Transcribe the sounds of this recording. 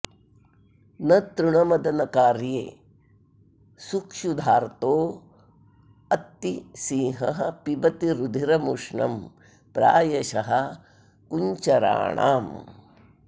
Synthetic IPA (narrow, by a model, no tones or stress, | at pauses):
nɐt̪ɾuɳɐmɐd̪ɐnɐkaːɾjḛː | sukʂud̪ʱaːɾt̪oː | ɐt̪ːisiːɦɐɦɐpibɐt̪iɾud̪ʱiɾɐmuʂɳɐ̰m | pɾa̰ːjɐʃɐɦɐ | kuɲt͡ʃɐɾa̰ːɳa̰ːm